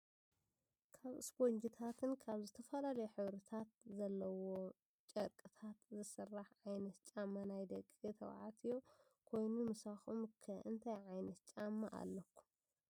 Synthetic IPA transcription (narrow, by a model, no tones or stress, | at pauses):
kʰaβɨsbond͡ʒit̪ʰat̪ʰɨnkʰaβzɨt̪ʰɐfɐlalɐjħɨβɾɐt̪ʰat̪̚zɐlːɐwo̞ | t͡ʃʼɐɾkʼɨt̪ʰat̪zɨsɐrːaħʕajnɐt̪t͡ʃʼamːanajd̪ɐkʼit̪ʰɐ̰wʕa̰t̪ʰijo | kʰo̞jnumɨsaxumkʰɐʔɨnt̪ʰajʕajnɐt̪t͡ʃʼamːaʔa̰lːɐkʰːu̥